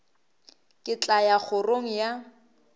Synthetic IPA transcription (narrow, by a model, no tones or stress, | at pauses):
kʼɪt͡ɬʼajak͡xʰʊroŋ̩ja